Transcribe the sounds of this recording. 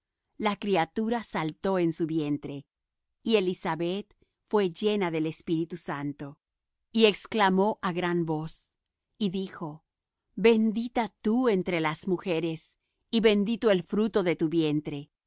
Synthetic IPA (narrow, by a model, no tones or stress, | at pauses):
lakɾiat̪uɾasalt̪o̞ensuβje̞nt̪ɾe̞ | ie̞lisaβe̞t̪ | fwe̞ʝe̞naðe̞le̞spiɾit̪usant̪o̞ | ie̞ksklamo̞ʔaɣɾanbo̞s | iðixo | be̞nd̪it̪at̪ue̞nt̪ɾelazmuxe̞ɾe̞s | iβe̞nd̪it̪oe̞lfɾut̪o̞ðe̞t̪uβje̞nt̪ɾe̞